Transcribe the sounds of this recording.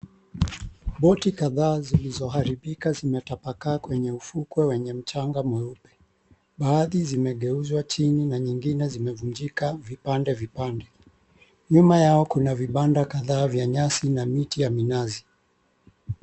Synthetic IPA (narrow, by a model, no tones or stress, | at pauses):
ɓɔtikaðaːzilizɔhaɾiɓikazimɛtapakaːkwɛɲɛufukwɛwɛɲɛm̩t͡ʃaŋɡamwɛupɛ̥ | ɓaːðizimɛɠɛuzwat͡ʃininaɲiŋɡinɛzimɛvuɲd͡ʒikavipandɛvipandɛ | ɲumajaɔkunaviɓandakaðaːvjaɲasinamitijaminazi